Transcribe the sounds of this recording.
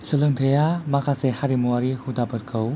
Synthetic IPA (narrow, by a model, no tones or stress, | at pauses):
səlɯŋtʰəjamakʰasehaɾimuaɾihudapɯt̚kʰəw